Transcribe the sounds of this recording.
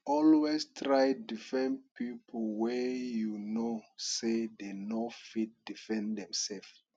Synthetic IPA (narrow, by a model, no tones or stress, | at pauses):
ɔlwestʰɹajdifɛ̃npʰipʰolwɛjunosedenofit̚d̥ifɛ̃ndɛ̃msɛlf